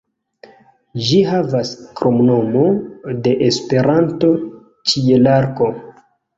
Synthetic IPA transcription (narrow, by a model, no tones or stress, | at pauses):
ʒiɦavaskɾomno̞mode̞ʔespe̞ɾanto̞ | t͡ʃielaɾko̞